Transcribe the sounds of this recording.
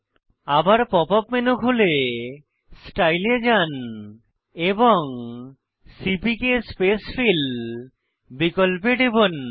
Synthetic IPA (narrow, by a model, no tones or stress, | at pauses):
abaɾpɔpapmenukʰɦole | sʈajled͡ʒan | ebɔŋ | sipikespesfʰil | bikɔlp̬eɖibon